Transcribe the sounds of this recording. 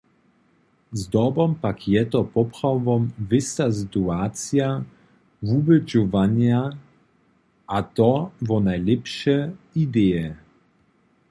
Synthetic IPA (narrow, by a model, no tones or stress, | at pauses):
zd̪ɔbɔmpakʰjɛt̪ɔpɔpχawvɔmvɪst̪asɪt̪uat̪sja | vubɛd͡ʒɔvaɲja | ʔat̪ɔvɔnajlɛpʃɛid̪ɛjɛ